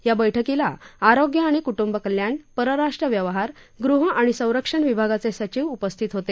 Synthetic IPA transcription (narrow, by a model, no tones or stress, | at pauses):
ɦjabəjʈʰəkilaaɾoɡjəaɽ̃ikuʈumbəkəljaɳpəɾəɾaʂʈɾəʋjəʋəɦaɾ | ɡɾuɦaɽ̃isə̃w̃ɾəkʂəɳʋibʱaɡat͡sesət͡ɕiʋupəst̪ʰit̪ɦot̪e